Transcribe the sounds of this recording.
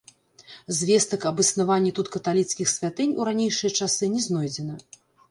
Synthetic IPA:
zʲvʲɛst̪ɐkɐbɨsnavanʲːɛt̪ut̪kɐt̪alʲit̪skʲixsʲvʲat̪ɨnʲuɾanʲejʂɨjɐt͡ʂasɨnʲɛznɔjd͡zʲɛnɐ

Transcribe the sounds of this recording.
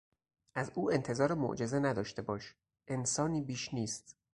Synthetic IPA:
ʔæzʔuːe̞nt̪ʰe̞zɒːɾemo̰ʔd͡ʒe̞zenæd̪ɒːʃt̪e̞bɒːʃ | ʔe̞nsɒːniːbiːʃniːst̪

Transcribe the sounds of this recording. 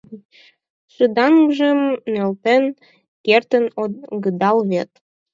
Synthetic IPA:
ʃɨd̪ɑŋʒə̆mnølt̪en | kert̪ə̆noɡəd̪ɑlβet̪

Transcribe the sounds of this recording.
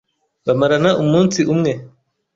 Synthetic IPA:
βamaɾanaʔumuːnsiʔumŋe̞

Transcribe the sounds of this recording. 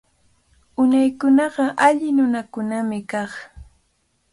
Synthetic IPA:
ʊnajkʊnɑɢɑʔaʎɪnʊnakʊnamɪkɑχ

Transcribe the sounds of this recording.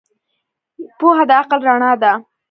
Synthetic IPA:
poɦad̪əaqəlɾaɳɑd̪a

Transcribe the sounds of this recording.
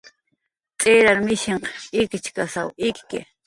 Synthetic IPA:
tʼeɾaɾmɪʃeɴqɪkɪt͡ʃkasawɪkɪ̰

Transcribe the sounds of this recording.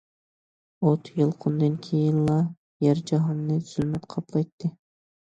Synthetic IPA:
ot̪ʰjɨlˠqʰʊnd̪ɨnkʲʰejinlˠɑ | jæɾd͡ʒɑɦɑnːɨz̥ylmɛt̪qʰɑplˠɑjt̪ːɨ

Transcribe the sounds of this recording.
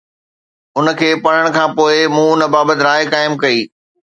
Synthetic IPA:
ʊnə̆kʰeːpɐɽ̤əɽ̃kʰãːpoːɪmũːʊnə̆baːbət̪ɪɾaːjkaːɪmkɐiː

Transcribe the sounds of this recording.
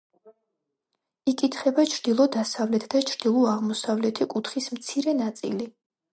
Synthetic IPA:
ikʼit̪ʰχɛbat͡ʃʰɾd̪ilˠɔd̪asavlɛt̪ʰd̪at͡ʃʰɾd̪̥ilˠɔaʁmɔsavlɛt̪ʰikʼut̪ʰχismt̪sʰiɾɛnat̪sʼḭli

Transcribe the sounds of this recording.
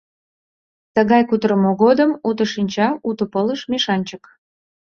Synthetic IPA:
t̪əɣɑjkut̪ɾəmoɣod̪əmut̪əʃinʲt͡ɕɑut̪əpələʃmeʃɑnʲt͡ɕək

